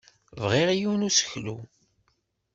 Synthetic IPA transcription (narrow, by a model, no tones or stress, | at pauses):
vʁiʁijunusə̥çlṵ